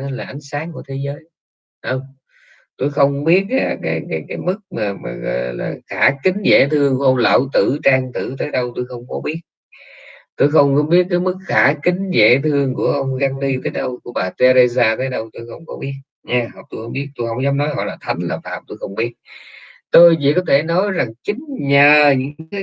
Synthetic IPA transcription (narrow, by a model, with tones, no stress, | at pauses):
laː˨˩ʔa˨˦jŋ̟saː˨˦ŋku˧˩ət̪ʰe˨˦zəː˨˦j | ʔə˧˩wŋ͡m | t̪o˧jxə˧wŋ͡mɓi˦˥ət̚ka˦˨˩kaː˨˦jkaː˨˦jkaː˨˦jmɨ˦˥k̚maː˨˩maː˨˩ɣɔ̰˨˩jla̰ː˨˩xaː˧˩kï˨˦ŋ̟zḛ˧˩t̪ʰɨ˧əŋku˧˩əʔə˧wŋ͡mla̰ː˧˨˩wt̪ɨ̰˧˩˨t͡ɕaː˧ŋt̪ɨ̰˧˩t̪əː˨˦jɗə˧wt̪o˧jxə˧wŋ͡mkɔ˨˦ɓi˦˥ət̚ | t̪o˧jxə˧wŋ͡mkɔ˨˦ɓi˦˥ət̚kaː˨˦jmɨ˦˥k̚xaː˧˩kï˨˦ŋ̟zḛ˧˩˥t̪ʰɨ˧əŋku˧˩əʔə˧wŋ͡mɣa˧ŋli˧t̪əː˨˦jɗə˧wku˧˩əɓaː˨˩t̪e˧ze˧zaː˧t̪əː˨˦jɗə˧wt̪o˧jxə˧wŋ͡mkɔ˨˦ɓi˦˥ət̚ | ɲaː˧ht̪o˧jxə˧wŋ͡mɓi˦˥ət̚t̪o˧jhə˧˩wŋ͡mzɔ˨˦wŋ͡mnɔ˨˦jɣɔ̰˧˨jlaː˨˩t̪ʰa˨˦jŋ̟la̰ː˨˩fa̰ː˧˨˩mt̪o˧jxə˧wŋ͡mɓi˦˥ət̚t̪o˧jvḭ˧˨kɔ˨˦t̪ʰe˧˩nɔ˨˦jza˨˩ŋt͡ɕï˨˦ŋ̟ɲəː˨˩ɲɨ̰˧˥ŋ˥kaː˨˦j